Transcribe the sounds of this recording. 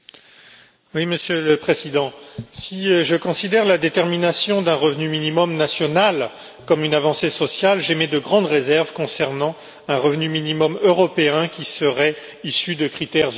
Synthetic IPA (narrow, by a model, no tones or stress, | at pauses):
wiməsjøləpχezid̪ɑ̃siʒəkɔ̃sid̪ɛʁlad̪et̪ɛʁminasjɔ̃d̪ɛ̃ʁəvnyminimɔmnasjɔnal | kɔmynavɑ̃sesɔsjalʒemed̪əɡʁɑ̃d̪ʁezɛʁvkɔ̃sɛʁnɑ̃ | ɛ̃ʁəvnyminimɔmøʁɔpeɛ̃kʲisəʁɛ | isyd̪əkχit̪ɛʁ